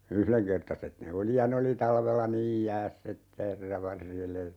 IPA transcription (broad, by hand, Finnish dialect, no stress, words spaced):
yhleŋkertɑset ne oli jɑ ne oli tɑlʋelːɑ niːj jæːsː etːæ herːɑ ʋɑrjele